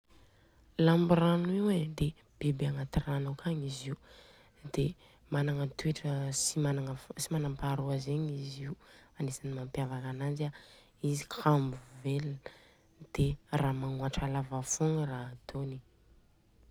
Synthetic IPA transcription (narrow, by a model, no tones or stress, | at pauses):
lambiraniwed̪e | b̥ebeaŋat̪iranawkʰaɲiziu | d̪̥e | manaŋət̪ueʈ͡ʂəsimanaŋəsimanampaɾoazeɲiziuanesanimampjavakanand͡ʒia | izikʰambuveln | d̪̥eraːmaŋuaʈ͡ʂalavafoŋrat̪ʰoni̥